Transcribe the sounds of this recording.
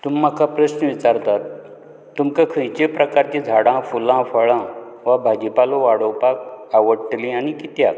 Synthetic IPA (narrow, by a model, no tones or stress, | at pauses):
t̪umːakapɾəɕnəʋit͡ɕaɾt̪at̪ː | umkakʰə̃jt͡ɕepɾəkaɾt͡ɕẽd͡zʱaɽãfulãfəɭã | ʋabʱad͡ʑipaloʋaɽowpak̚aʋəɽʈlĩañikit̪ja